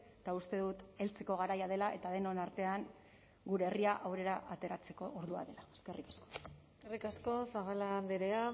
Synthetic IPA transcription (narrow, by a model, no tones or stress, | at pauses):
t̪aust̪e̞ðut̪e̞lt͡se̞ko̞ɣ̞aɾajað̞e̞laʔe̞t̪aðe̞no̞naɾt̪e̞aŋ | ɡuɾe̞ːriaʔawɾe̞ɾaʔat̪e̞ɾat͡se̞kooɾðua̰ðe̞lae̥ske̞rʔikasko̥ | erikasko̞saβaland̪iɾea